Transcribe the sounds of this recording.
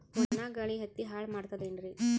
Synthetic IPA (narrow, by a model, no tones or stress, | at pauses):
ɔnːaɡɐɭiɦɐt̪ːiɦaːɭmaːɖt̪ad̪eɳɾi